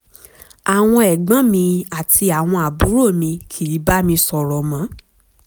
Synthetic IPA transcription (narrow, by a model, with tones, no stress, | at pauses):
a˨w̃ɔ̃˧ɛ˨ɡ͡bã˨˦mĩ˧a˨ti˧a˨w̃ɔ̃˧a˨bu˨˦ɾo˦˨mĩ˧kʰi˨i˨˦ba˦mĩ˧sɔ˨ɾɔ˨mã˨˦